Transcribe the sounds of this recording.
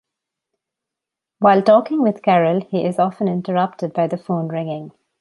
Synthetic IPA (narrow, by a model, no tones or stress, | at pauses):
ʋaɪlʈɔːkɪ̃ŋʋɪd̪̥kæɹəlhiːʔɪzɔfə̃nɪ̃nʈəɹʌp̚ʈəd̚baɪd̪əfõːnɹɪ̃ŋɪ̃ŋ